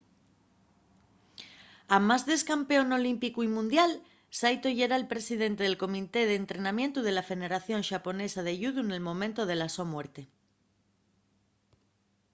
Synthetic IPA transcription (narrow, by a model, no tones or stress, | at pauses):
amazðe̞skampe̞ono̞limpikuimũnd̪jal | sajt̪o̞ʝeɾaelpɾe̞siðe̞nt̪eð̞elko̞mit̪e̞ð̞eːnt̪ɾenamje̞nt̪uð̞e̞lafe̞ðe̞ɾaθjo̞nʃapo̞ne̞sað̞eʝuðune̞lmõ̞mẽnt̪oð̞e̞lasomwe̞ɾt̪e